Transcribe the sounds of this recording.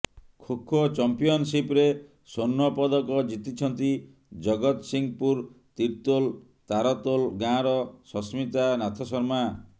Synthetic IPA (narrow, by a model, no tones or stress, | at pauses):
kʰokʰːɔt͡ʃɔmpijɔnsipɾe | sonːɔpɔd̪ɔkɔd͡ʒit̪it͡ʃʰɔnt̪i | d͡ʒɔɡɔt̪siŋpuɾ | t̪iɾt̪ol | t̪aɾɔt̪olɡãɾɔsɔsmit̪anat̪ʰɔsɔɾma